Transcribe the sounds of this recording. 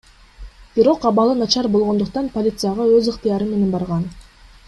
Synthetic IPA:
b̥iɾo̞qɑβɑlˠɯnɑt͡ʃɑɾbo̞lˠʁond̪uq̚t̪ɑnpolʲit̪sɨjaʁɑøzɯqt̪ɨjɑɾɯme̞ne̞nbɑɾʁɑn

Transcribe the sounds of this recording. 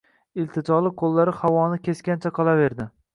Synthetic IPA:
ɪlt̪ʰɪt͡ʃ̪ɒlˠɪqʰolˠːaɾɪhawɒnɪkʲe̞skʲant͡ʃʰaqʰɒlˠave̞ɾd̪ɪ

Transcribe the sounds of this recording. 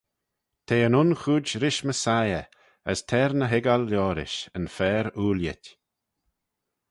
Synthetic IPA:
t̪ʰeːənʊnxuːd͡ʒɾɪʃməsajə | əstʰɛɾnəɦɪɡalːɔːɾɪ̰ʃənfɛːɾuːljɪ̰tʲ

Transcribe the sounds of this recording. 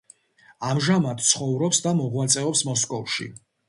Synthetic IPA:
amʒamat̪t̪sʰχɔvɾɔpsd̪amɔʁwat̪sʼɛɔpsmɔskʼɔvʃḭ

